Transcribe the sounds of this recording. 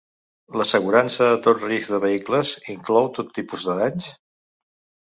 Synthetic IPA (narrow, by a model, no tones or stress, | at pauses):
ləsəɣ̞uɾansəðət̪otrizɡðəβ̞əikləziŋklɔwt̪ot̪ːipuzðəðaɲs